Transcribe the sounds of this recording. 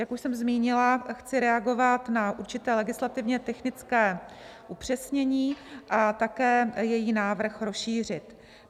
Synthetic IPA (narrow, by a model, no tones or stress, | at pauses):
jakuʃsɛmzmiːɲɪlaxt͡sɪɾɛaɡo̞vat̪naʔuɾt͡ʃɪt̪ɛːlɛɡɪslat̪ɪvɲɛt̪ɛxnɪt͡skɛː | ʔupr̝̥ɛsɲɛɲiːʔat̪akɛːjɛjiːnaːvr̩xɾo̞sʃiːr̝ɪt̪